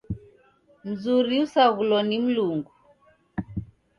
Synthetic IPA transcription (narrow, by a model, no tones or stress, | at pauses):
m̩zuɾiusaɣulɔnim̩luŋɡu